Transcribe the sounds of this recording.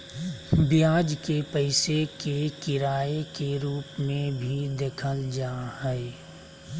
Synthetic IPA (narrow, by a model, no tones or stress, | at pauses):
bjaːd͡ʒkepəɪsekekɪɾaːekeɾuːpmẽbʱid̪eːkʰəld͡ʒaːhɛe